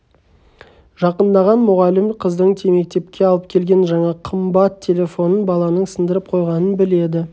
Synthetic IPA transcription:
ʒ̥ɑqənd̪ɑʁɑnmʊʁɑlɪmqʰəzd̪əɴt̪ʰeme̞k̚t̪e̞p̚kʲe̞ɑlˠəp̚kʲʰe̞lɡʲe̞nʒɑɴɑqʰəmbɑt̪ʰːe̞le̞fo̞nənbɑlˠɑnəɴsənd̪əɾəp̚qʰo̞jʁɑnənbɪle̞d̪ɪ

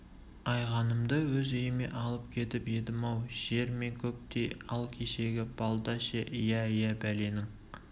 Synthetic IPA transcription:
ɑjʁɑnəmd̪əwɵzejɪme̞̰ʔɑlˠəp̚kʲʰe̞t̪ɪpjed̪ɪmɑwʒ̥e̞ɾme̞ŋkʲʰɵp̚t̪e̞jɑlˠkʲʰe̞ʃeɡʲɪb̥ɑlˠd̪ɑʃeʔɪjæjæbæle̞nɪŋ

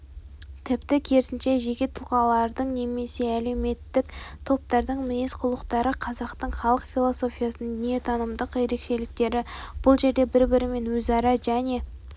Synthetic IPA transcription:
t̪ʰɪpt̪ɪkʲʰe̞ɾɪsɪnʃe̞ʒeɡʲet̪ʰʊlˠqɑlˠɑɾd̪əɴne̞me̞se̞æle̞me̞t̪ːɪkt̪ʰo̞p̚t̪ɑɾd̪əɴmɪne̞sqʰʊlˠəqt̪ɑɾəqʰɑzɑqt̪əɴχɑlˠəqfʲilˠo̞so̞fʲijɑsənəɴd̪ʏnje̞t̪ʰɑnəmd̪əqje̞ɾe̞kʃe̞lɪk̚t̪e̞ɾɪb̥ʊlˠʒe̞ɾd̪e̞bɪɾbɪɾɪme̞nwɵzɑɾɑʒæne̞

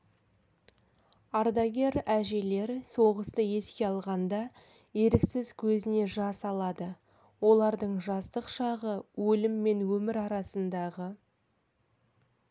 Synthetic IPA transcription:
ɑɾd̪ɑɡʲe̞ɾæʒe̞le̞ɾso̞ʁəst̪əje̞skʲe̞ɑlˠʁɑnd̪ɑ | je̞ɾɪksɪzkʲʰɵzɪne̞ʒɑsɑlˠɑd̪ə | wo̞lˠɑɾd̪əɴʒɑst̪əqʃɑʁəwɵlɪmːe̞nwɵmɪɾɑɾɑsənd̪ɑʁə

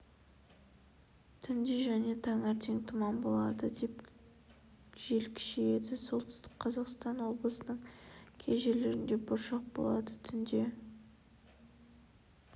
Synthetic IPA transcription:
t̪ʰʏnd̪eʒæne̞t̪ʰɑɴæɾt̪ʰe̞ŋt̪ʰəmɑmbo̞lˠɑ̰d̪əd̪e̞p | ʒ̥e̞lkʲʰɪ̥ʃeje̞d̪ɪso̞lˠt̪ʰʏ̥st̪ɪ̥k̚qʰɑzɑqst̪ɑnwo̞blˠəsənəɴkʲʰe̞zʒe̞ɾleɾɪnd̪e̞bʊɾʃɑq̚bo̰lˠɑd̪ət̪ʰʏnd̪e̞

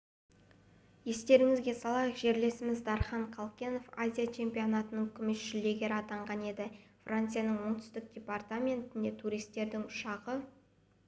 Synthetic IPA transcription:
je̞st̪e̞ɾɪŋɪzɡʲe̞sɑlˠɑjəqʒe̞ɾle̞sɪmɪzd̪ɑɾχɑɴqʰɑlˠkʲeno̞fazʲijat͡ʃʰe̞mpijo̞nat̪ənəŋkʲʰʏmesʒɪlːe̞ɡʲeɾɑt̪ɑɴʁɑne̞d̪ɪfrant̪sɨjanəɴwoɴt̪ʰʏ̥st̪ɪk̚d̥ʲe̞part̪amʲe̞nt̪ɪnd̪e̞t̪ʰuɾijst̪ːe̞ɾd̪ɪŋʊʃɑʁə

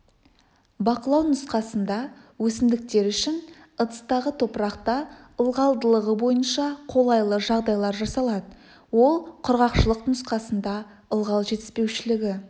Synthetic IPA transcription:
bɑqəlˠɑwnʊsqɑsənd̪ɑwɵsɪmd̪ɪk̚t̪e̞ɾʏʃɪn | ət̪ə̥st̪ɑʁət̪ʰo̞pɾɑqt̪ɑ | əlˠʁɑlˠd̪əlˠəʁəbo̞jənʃɑqʰo̞lˠɑjlˠəʒɑʁd̪ɑjlˠɑɾʒɑsɑlˠɑd̪ə | wo̞lˠqʰʊɾʁɑqʃəlˠəqnʊsqɑsənd̪ɑ | əlˠʁɑlˠʒe̞t̪ɪ̥spe̞wʃɪlɪɡʲɪ

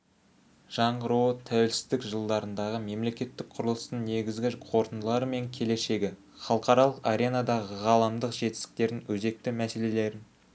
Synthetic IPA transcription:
ʒ̥ɑɴʁəɾuwət̪ʰæwe̞lsɪ̥zd̪ɪkʒəlˠd̪ɑɾənd̪ɑʁəme̞mle̞kʲe̞t̪ːɪk̚qʰʊɾəlˠəst̪əɴne̞ɡʲɪzɡʲɪqʰwo̞ɾt̪ənd̪əlˠɑɾəme̞ŋkʲʰe̞le̞ʃe̞ɡʲɪ | χɑlˠəqɑɾɑlˠəqaɾʲe̞nɑd̪ɑʁəʁɑlˠɑmd̪əqʒe̞t̪ɪ̥st̪ɪ̥k̚t̪e̞ɾɪnwɵze̞k̚t̪ɪmæse̞le̞le̞ɾɪn

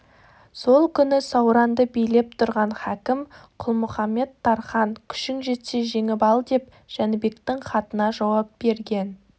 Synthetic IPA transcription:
so̞lˠkʲʰʏnɪsɑwɾɑnd̪əbijle̞p̚t̪ʰʊɾʁɑnχækʲɪmqʰʊlˠmʊχɑmːe̞t̪ʰːɑɾχɑŋkʲʰʏ̥ʃɪŋʒe̞t̪se̞ʒe̞ŋɪpɑlˠd̪e̞p̚ | ʒ̥ænbe̞kt̪ɪŋχɑt̪ənɑʒɑwɑp̚b̥e̞ɾɡʲe̞n

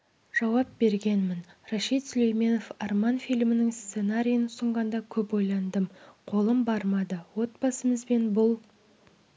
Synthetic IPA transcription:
ʒ̥ɑwɑp̚be̞ɾɡʲe̞nmɪnrɑʃit̪sʏle̞jme̞no̞fɑrmɑnfʲijlʲmɪnɪŋst̪se̞naɾʲijənʊsəɴʁɑnd̪ɑkʲʰɵpwo̞jlˠɑnd̪əmqʰo̞lˠəmbɑɾmɑd̪əwo̞t̪̚bɑsəməzbe̞nbʊlˠ

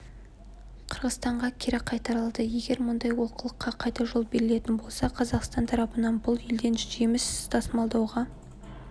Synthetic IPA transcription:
qʰəɾʁəzst̪ɑɴʁɑkʲʰeɾɪqʰɑjt̪ɑɾɑlˠd̪əje̞ɡʲe̞ɾmʊnd̪ɑjwo̞qʰəlˠəqːɑqʰɑjt̪ɑʒo̞lˠbe̞ɾɪle̞t̪ɪnbo̞lˠsɑqʰɑzɑqst̪ɑnt̪ʰɑɾɑpənɑnbʊlˠjeld̪e̞nʒemɪst̪ʰɑsmɑlˠd̪ɑwʁɑ

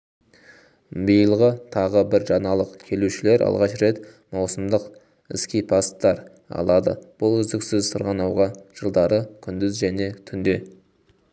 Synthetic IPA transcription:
bijəlˠʁət̪ʰɑʁəbɪɾʒɑnɑlˠəqkʲʰe̞luʃɪle̞ɾʔɑ̰lˠʁɑʃɾe̞t̪ | mɑwsəmd̪əq | ɪskʲijpʰɑst̪ːɑɾ | ɑ̰lˠɑd̪ə̰b̥ʊlˠʏzd̪ɪksɪzsʰəɾʁɑnɑwʁɑʒ̥əlˠd̪ɑɾəkʲʰʏnd̪ɪzʒæne̞t̪ʰʏnd̪e̞

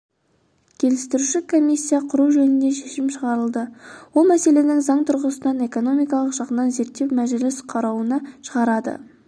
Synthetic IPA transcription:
kʲʰe̞lɪst̪ɪɾuʃɪkʰo̞mijsʲːijɑqʰʊɾuʒɵnɪnd̪e̞ʃe̞ʃɪmʃəʁɑɾəlˠd̪əwo̞lˠmæse̞le̞nɪŋzɑɴt̪ʰʊɾʁəsənɑne̞ko̞no̞mijkɑlˠəqʒ̥ɑʁənɑnze̞ɾt̪ːe̞wmæʒɪlɪsqʰɑɾɑwənəʃəʁɑɾɑd̪ə̰

